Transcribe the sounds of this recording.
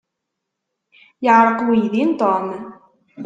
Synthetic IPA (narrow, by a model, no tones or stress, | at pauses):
jəʕɾəqwijðint̪ˤɔm